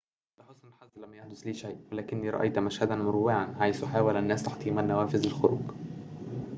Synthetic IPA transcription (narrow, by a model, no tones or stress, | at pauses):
læħosˤʔnlħazːlæmːæjaħd̪osliːʃæjʔwelæːkɪnːiːɾˤɑ̰ʔḛjt̪mæʃhæd̪ænmʊɾowːɪʕanʕajsuħaːwælʔænːæːst̪aħt̪ˤiːmænːæwæːfɪzɪlxoɾuːɡ